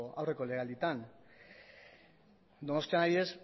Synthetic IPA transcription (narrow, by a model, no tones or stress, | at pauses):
awre̞ko̞le̞ɣald̪it̪an | d̪o̞no̞st̪ianaβiðes